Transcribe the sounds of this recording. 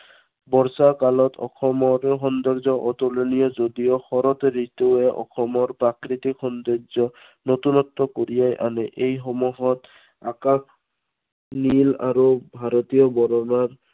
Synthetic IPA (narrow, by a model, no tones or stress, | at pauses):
bɔɹsakalɔtɔ̰xʰɔmɔɾxɔnd̪ɔɹzɔʔɔt̪olonijɔzodijoxɔɾɔt̪ɹitoɛʔɔ̰xʰɔmɔɹpɹakɾit̪ikxɔnd̪ɔɾzɔ | not̪unɔt̪ːɔkoɹijajʔa̰nɛʔejxɔmuɦɔt | akak | nila̰ɹubʱaɾɔt̪ijɔbɔɾɔnaɹ